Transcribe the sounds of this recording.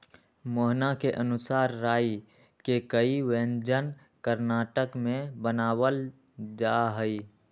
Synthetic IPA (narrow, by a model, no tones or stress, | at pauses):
moɦnakeʔənʊsaːɾːaːi | kekəiwẽnd͡ʒən | kəɾnaːʈəkmẽbənaːwəl | d͡ʒaɦəi